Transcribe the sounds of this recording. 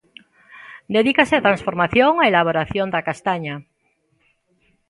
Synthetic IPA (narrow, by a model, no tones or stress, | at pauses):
d̪eðikaseat̪ɾansfoɾmaθjoŋaelaβ̞oɾaθjond̪akast̪aɲa